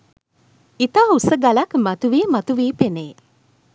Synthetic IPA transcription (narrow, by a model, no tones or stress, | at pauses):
it̪aːusəɡalakmat̪uʋiəmat̪uʋiːpeneː